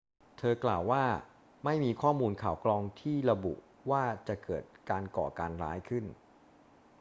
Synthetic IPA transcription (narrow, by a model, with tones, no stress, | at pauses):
t̪ʰɤː˧klaː˨˩wːaː˥˩ | ma˥˩jmiː˧kʰɔː˥˩muː˧nkʰaː˨˩wklɔː˧ŋt̪ʰiː˥˩ɾa˧bṵ˨˩ʔ | waː˥˩t͡ɕa˨˩ʔkɤː˨˩t̪̚kaː˧nkɔ̰ː˨˩kaː˧nɾa̰ː˦˥jkʰɯ˥˩n